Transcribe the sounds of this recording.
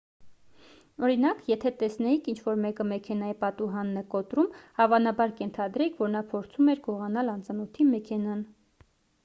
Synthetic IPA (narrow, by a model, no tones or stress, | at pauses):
ɔɾinɑkjɛt̪ʰɛt̪ɛsnɛjikʰint͡ʃʰvɔɾmɛkəmɛkʰɛnɑjipɑt̪uɦɑnːɛkɔt̪ɾumhɑvɑnɑbɑɾkɛnt̪ʰɑd̪ɾɛkʰvɔɾnɑpʰɔɾt͡sʰumɛɾɡɔʁɑnɑlɑnt͡sɑnɔt̪ʰimɛkʰɛnɑn